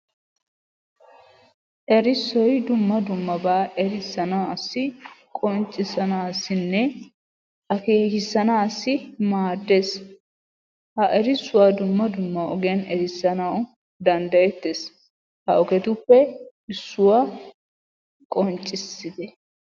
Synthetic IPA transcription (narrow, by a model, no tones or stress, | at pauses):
ʔɛɾɪsːɔjd̪ʊmːɐd̪ʊmːɐbaːʔɛɾɪsːɐnɐwɐsːɪkʼɔnt͡ʃʼːɪsɐnaːsːɪnːɛ | ʔɐkeːkɪsːɐnaːsːɪmaːd̪ːes | hɐʔɛɾɪsːʊwaːd̪ʊmːɐd̪ʊmːɐɔɡɛnɛɾɪsːɐnɐwʊ | d̪ɐnd̪ɐjɛt̪ːes | hɐʔɔkɛt̪ʊpːɛ | ɪsːʊwa | kʼɔnt͡ʃʼːɪsːɪd̪ɛ